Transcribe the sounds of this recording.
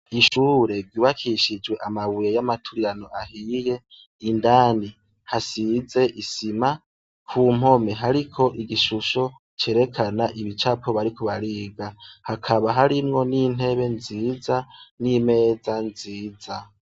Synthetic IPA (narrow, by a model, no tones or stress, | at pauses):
iʃuːɾe̞ɡɟuːβakʰiʃid͡ʒwe̞ʔamaβujejamatʰuɾiɾano̞ʔahiːje̞ | indaːni | hasize̞ʔisima | kʰuːm̥o̞me̞ɦaɾikʰo̞ʔiɡiʃuʃo̞ | t͡ʃe̞ːɾe̞kʰanaʔiβit͡ʃapo̞βaɾikuβaɾiːɡahakʰaβaɦaɾimŋo̞nin̥e̞βe̞nziːzanime̞ːd͡zanziːd͡za